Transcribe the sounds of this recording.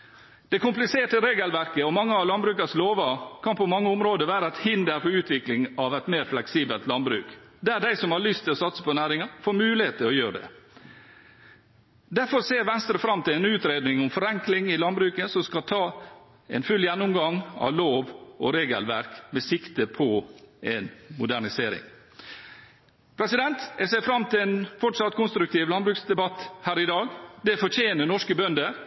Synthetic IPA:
d̪̥ɛkʊmplɪseːʈəɾeːɡəlʋæɾkəɔmɑŋːəɑʋlɑnbɾʉːkɑsloːʋɑkʰɑnpɔmɑŋːəʊmɾoːd̪əʋæːɾəɛt̪hɪnd̪əɾfɔɾʉːt̪ʰʋɪklɪŋɑʋɛt̪meːɾflɛksiːbəlt̪lɑnbɾʉ̰ːkd̪ɛæɖæɪsɔmhɑɭʏst̪ʰɪlɔsɑt̪sə̥pɔnæːɾɪŋɑfoːɾmʉːlɪheːt̪ɪɔjøːɾɖɛ̰ | d̪æɾfɔɾseːɾʋɛnst̪ɾəfɾɑmt̪ʰɪlɛɪnʉːt̪ɾeːd̪nɪŋɔmfɔɾɛŋklɪŋɪlɑnbɾʉːkəsɔmskɑt̪ʰɑː | ɛ̰nfʉljænːʊmɡɑŋɑ̰ʋloːʋɔ̰ɾeːɡə̰lʋæ̰ɾkmɛsɪkt̪əpʰɔɛnmʊd̪æɳɪseːɾɪ̰ŋ | pʰɾɛsɪd̪ɛnt̪ɛsɛɪfɾɑmt̪ʰɪlɛnfɔʈsɑt̪kʰʊnst̪ɾʉkt̪iːʋlɑnbɾʉːksd̪ɛbɑt̪ːhæːɾɪd̪ɑːɡd̪ɛfɔɾt͡ʃʰeːnənɔʂkəbœnd̪ə

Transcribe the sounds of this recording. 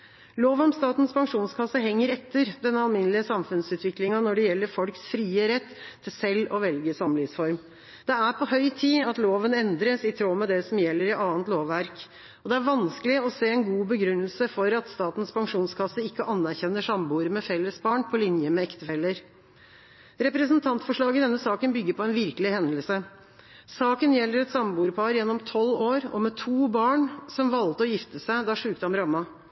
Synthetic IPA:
loːʋɔmst̪ɑːt̪n̩spʰɑŋʂuːnskʰɑsːəɦɛŋːəɾɛt̪ːəɾd̪ɛnːəɑlmɪnəlɪəsɑmfʉnsʉːt̪ʋɪklɪŋɑnɔɖɛjɛlːəɾfɔlksfɾiːəɾɛt̪ʰːɪlsɛlːɔʋɛlɡəsɑmlɪsfɔɾm | d̪̥ɛæpʰɔɦœʏt̪ʰiːɑt̪loːʋənɛnd̪ɾəsɪt̪ʰɾoːmɛd̪ɛsɔmjɛlːəɾɪʔɑːənt̪loːʋːæɾk | ɔd̪ɛæɾʋɑnskəlɪɔseːɛnɡuːbəɡɾʉnːəlsəfɔɾɑt̪st̪ɑːt̪n̩spʰɑŋʂuːnskʰɑsəɪkːəʔɑnːæɾçɛnːəʂɑmbuːɾəmɛfɛlːəsbɑːɳpʰɔlɪnjəmɛɛkt̪əfɛlːəɾ | ɾɛpɾəsənt̪ʰɑnt̪fɔʂɭɑːɡəd̪ɛnːəsɑːkənbʏɡːəɾpʰɔɛnʋɪɾkəlɪhɛnd̪əlsə | sɑːkənjɛlːəɾɛt̪sɑmbuːɾəpʰɑɾjɛnːɔmt̪ʰɔlːoːɾɔ̰mɛt̪ʰuːbɑːɳsɔmʋɑlt̪əɔjɪft̪əsæɪd̪ɑʂʉːkt̪hɑmɾɑmːɑ

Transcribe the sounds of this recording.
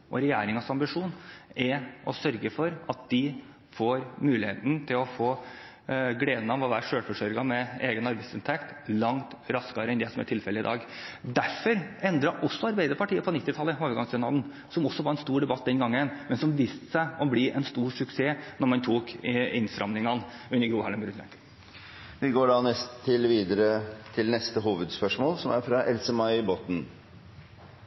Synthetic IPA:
ʔɔ̰ɾɛjæːɾɪŋɑsɑmbɪʂuːnɛʔɔsœɾɡəfɔɾɑt̪̚d̪̥ɪ | foːɾmʉːlɪhḛːt̪n̩t̪ʰɪlɔfoː | ɡɽeːd̪nɑʋɔʋæːɾʂøːɽfɔʂœɾɡɑmɛeːɡənɑɾbæɪsɪnt̪ʰɛkt̪ | lɑŋt̪ɾɑskɑɾəɛnd̪ɛsɔmæ̰ʈʰɪlfɛlːəɪd̪ɑ̰ːɡd̪æɾfɔɾɛnd̪ɾɑʔɔsːɔɑɾbæɪd̪əɾpʰɑʈʰiːəpʰɔnɪt̪ːɪt̪ʰɑlːəoːʋəɾɡɑŋsɛnɑːln | sɔmɔsːɔʋɑɾɛnst̪uːɖɛbɑt̪̚ːd̪ɛnɡɑŋːənmɛnsɔmʋist̪ə̥sæɪɔblɪʔɛnst̪uːʂʉkseːnɔɾmɑnt̪ʰuːkɪnst̪ɾɑ̰mnɪŋɑnʉnːəɾɡɾuːhɑləmbɾʉnæ̰ | ʋɪɡoːɖɑnɛst̪ʰːɪlʋiːd̪əɾət̪ʰɪlnɛst̪əɦuːʋəd̪spœʂmoːlsɔmæɾfɾɑʔɛlsəmɑɪbɔt̪n̩

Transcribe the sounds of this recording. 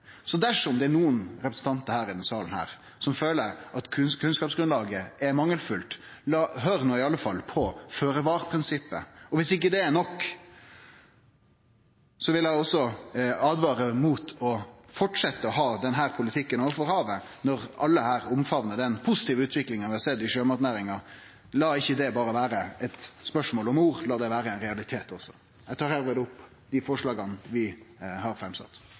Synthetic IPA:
sɔd̪æʂɔmd̪ɛænuːənɾɛpɾəsn̩t̪ʰɑnt̪əɾhæːɾɪd̪ɛnsɑːlən̩hæ̰ːɾ | sɔmføːləɾʔɑt̪ʰkʰʉnskɑːpsɡɾʉnlɑːɡəʔɛmɑŋːəlfʉlt̪lɑɦœːɾnuːɪɑlːəfɑlːpʰɔføːɾəʋɑːɾpʰɾɪnsɪpːə̰ɔʋɪsɪk̬ːəd̪ɛːnɔkː | sɔʋɪlæɪɔsːɔɑːd̪ʋɑːɾəmut̪ʰɔfɔʈʂɛt̪ːəɔɦɑːd̪ɛnɦæːɾpʰʊlɪt̪ʰɪkːənɔɾfɔɾhɑːʋənɔɾɑlːəhæːɾʊmfɑʋnəd̪ɛnpʰʊsɪ̥t̪iːʋəʉːt̪ʰʋɪklɪŋənʋɪhɑɾsɛd̪ːɪʂøːmɑɾʈ̪næːɾɪŋɑ | lɑːɪçːəd̪ɛbɑːɾəʋæːɾəɛt̪spœʂmoːlɔmuːɾlɑːd̪ɛʋæːɾəɛɪnɾɛɑlɪt̪ʰeːt̪ɔsːɔ̥̰ | æɡt̪ʰɑːɾhæːɾʋɪd̪ʊpː | d̪̥ɪfɔʂɭɑːɡɑnʋɪhɑɾfɾɛmsɑ̰t̪ː

